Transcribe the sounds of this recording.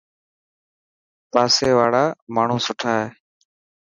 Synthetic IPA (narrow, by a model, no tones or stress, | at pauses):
paːseːʋaːɽaːmaːɳ̤ũːsʊʈʰaːɦeː